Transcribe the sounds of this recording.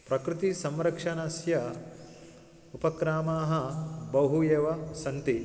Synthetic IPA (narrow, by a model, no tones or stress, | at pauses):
pɾɐkɾɪt̪isɐmɾɐkʂɐnɐsjɐ | upɐkɾaːmaːɦɐbɐɦujeːʋɐsɐnt̪i